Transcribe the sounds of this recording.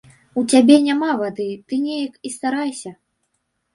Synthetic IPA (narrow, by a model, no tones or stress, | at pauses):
ut͡sʲabʲɛnʲamavad̪ɨt̪ɨnʲejɐkist̪aɾajsʲɐ